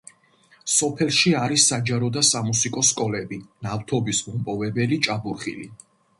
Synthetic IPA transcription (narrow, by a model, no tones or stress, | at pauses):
sɔpʰɛlˠʃiaɾisːad͡ʒaɾɔd̪asamusikʼɔskʼɔlɛbinaft̪ʰɔbisumpʼɔvɛbɛlit͡ʃʼabuɾχḭlḭ